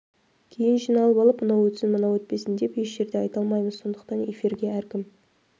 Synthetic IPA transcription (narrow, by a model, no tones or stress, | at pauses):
kʲʰe̞jɪnʒijnɑlˠəpɑlˠəpmənɑwɵt̪sɪnmənɑwɵt̪̚pe̞sɪnd̪e̞pjeʃʒe̞ɾd̪eɑjt̪ɑlˠmɑjməzso̞nd̪əqt̪ɑne̞fiɾɡʲe̞æɾkʲɪm